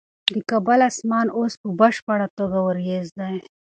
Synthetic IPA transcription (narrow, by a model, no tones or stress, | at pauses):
d̪əkabalasmɑnospəbaʃpaɽat̪oɡawəɾjezd̪aj